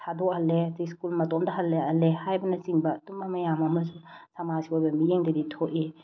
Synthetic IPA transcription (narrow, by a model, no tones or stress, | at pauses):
tʰadɔhɐlːetiskulmɐtɔmdɐɦɐlːeɐlehajbɐnɐt͡ʃiŋbɐːtumɐmɐjamɐmɐsusɐmaziojbɐmijeŋdɐditʰoʔi